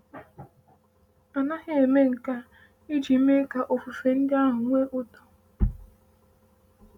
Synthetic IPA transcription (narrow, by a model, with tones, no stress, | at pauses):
a˨na˦ɦɪ˦e˨me˦ŋ̩˨ka˦ | i˦d͡ʒi˨˦me˦ka˦ʔo˨fu˨fe˨n̩˦dɪ˦a˦ɦʊ˨ŋʷe˦ʔʊ˦to˨